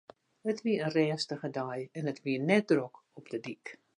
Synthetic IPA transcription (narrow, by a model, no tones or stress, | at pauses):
ətʋiəənrɛːstəχədajɛnətʋiənɛt̚drok | ɔpdədik